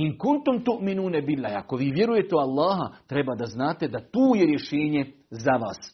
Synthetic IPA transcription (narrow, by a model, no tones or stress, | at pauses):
inkunt̪umt̪uʔminuːnabilːaːja̰ko̞ʋiːʋje̞ɾuje̞t̪eoalˠːaːɦat̪ɾe̞baːd̪aznaːt̪e̞d̪at̪uːjeɾje̞ʃeːɲezaʋa̰ːs